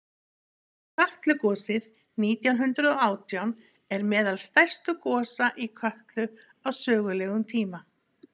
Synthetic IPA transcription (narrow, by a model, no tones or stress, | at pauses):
kʰœht̪lʏkɔːsɪð | niːt̪jawnɦʏnt̪ɾʏðɔaːwt̪ʰjawn | ɛɾmɛːðalst̪ajr̥st̪ʏkɔːsaʔikʰœht̪lʏ | awsœːɣʏlɛɣʏmt̪ʰiːma